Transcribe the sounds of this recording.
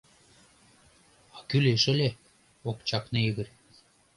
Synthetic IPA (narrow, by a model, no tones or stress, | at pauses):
ɑkyleʃə̆lʲe | okt͡ɕɑknɤiɣə̆r